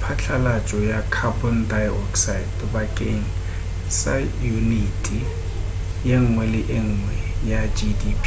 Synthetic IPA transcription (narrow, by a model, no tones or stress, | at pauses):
pʰat͡ɬʰalat͡ʃʼɔjakʰabɔndajɔ̰ksaɪdbakʼeŋ̩ | sa̰junitʼi | jeŋ̩ŋwɛlɪʔɪŋ̩ŋwɛjad͡ʒidipʰ